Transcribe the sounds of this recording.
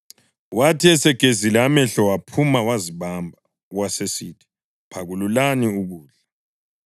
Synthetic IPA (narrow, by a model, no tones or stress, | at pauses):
watʰiɛsɛɡ̥ʱezilɛamɛɬɔwapʰumawaziβambʱa | ɣwasesitʰʼi̥ | pʰaɣululaniuɣuːɮa